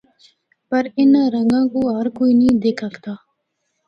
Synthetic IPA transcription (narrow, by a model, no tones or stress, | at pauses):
pɐɾɪnɾə̃ŋɡãːkoɦɐɾkoːiːnĩːd̪eːkʰɐkt̪aː